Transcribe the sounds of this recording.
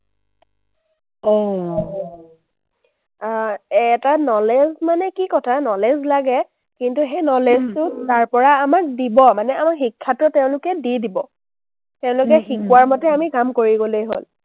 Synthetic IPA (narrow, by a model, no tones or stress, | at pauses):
ɔ | ɛtanɔlezmanɛkikɔtʰanɔlezlaɡɛ | kintuxenɔleztʊtaɹpɔɹaːmak̚dibɔmanɛamakxikʰːatɔtɛʊ̃lʊkɛdidibɔ | tɛʊ̃lʊkɛxikuwaɹmɔtɛamikamkoɹiɡolejɦo̰l